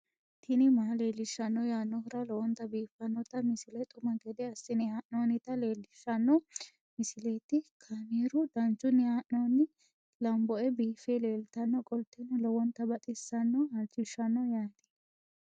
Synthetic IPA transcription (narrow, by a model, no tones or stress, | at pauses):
t̪ʰɪnɪmaːle̞ːlːɪʃːɐnːɔjaːnːɔhʊɾɐlɔwɔnt̪ɐbiːfːɐnːɔt̪ɐmɪsɪlɛt̪ʼʊmɐɡɛd̪ɛɐsːɪnɪhaːʔnoːnɪt̪ɐle̞ːlːɪʃːɐnːɔ | mɪsɪlet̪ɪkʰaneːɾʊd̪ɐnt͡ʃʼʊnːɪhaːʔnoːnɪ | lɐmbɔʔɛbiːfeleːlt̪ɐnːɔkʼɔlt̪ːɛnɔlɔwɔnt̪ːɐbɐt̪ʼɪsːɐnːɔhɐlt͡ʃʼːɪʃːɐnːɔjaːd̪ɛ̥